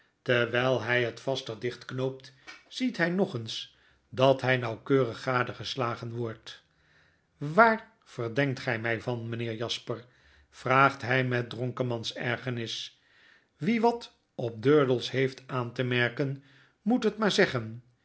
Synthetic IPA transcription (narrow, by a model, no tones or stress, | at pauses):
təɹʋɛjlˠɦɛjɦətfɑstəʁdɪχtknowp̚tz̥itɦɛjnɔχəns | dɑtɦɛjnɑwkøːrəχːaːdəχəslaːχənʋɔɹt | ʋaːr | v̥əɹdɛŋk̚tχɛjmɛjvɑnmənɪːɹjɑspər | v̥raːχtɦɛjmɛt̚drɔŋkəmɑnsɛɹχənɪs | ʋiʋɑt | ɔp̚døːɹdəlˠsɦejftaːntəmɛɹkən | mutɦətmaːɹzɛχən